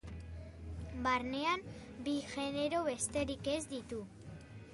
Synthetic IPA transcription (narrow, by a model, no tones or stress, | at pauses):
barne̞ambiʝe̞ne̞ɾo̞βe̞st̪e̞ɾike̞zd̪it̪u